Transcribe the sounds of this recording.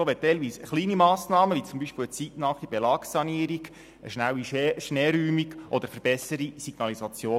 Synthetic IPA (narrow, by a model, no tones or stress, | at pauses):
oːʋɛt̚ːɛɪlʋiːsχliːnimɑːsnɑːməʋit͡sumbiʃpɪwət͡sitnɑːχib̥ɛlɑːksɑniəɾiɡ̥ | əʃnæwiʃnɛːɾyːmiɡʔɔd̪əɾfəɾb̥ɛsəɾisiɡ̥nɑlisɑt͡sjoː